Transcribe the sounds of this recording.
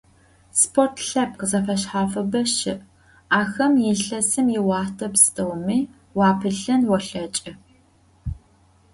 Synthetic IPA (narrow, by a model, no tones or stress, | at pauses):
spʰortʰɬaːp̚qəzɐfɐʃħaːfɐbɐʃɪʔ | aːxɐmjɪɬɐsɨmjɪwɑːtʰɐpstʼɐwmiː | wɑːpʰɨɬɐnwɔɬɐt͡ʃʼɐ